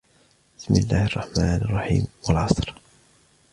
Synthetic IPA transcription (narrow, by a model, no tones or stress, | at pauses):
bɪsmɪlːaːhɑrˤːɑħmaːnʔɑrˤːɑħḭːmwalʕɑsˤɾ